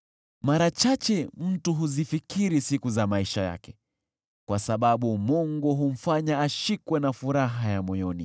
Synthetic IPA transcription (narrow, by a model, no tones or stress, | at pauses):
maɾat͡ʃat͡ʃɛm̩tuɦuzifikiɾisikuzamaiʃaja̰kɛ | kwasaɓaɓumɔŋɡɔɦum̩faɲaːʃikwɛnafuɾaɦajamɔjɔni